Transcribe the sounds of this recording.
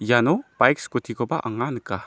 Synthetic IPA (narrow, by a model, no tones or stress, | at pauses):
janɔbajkskutʰikʰɔbaʔa̰ŋanka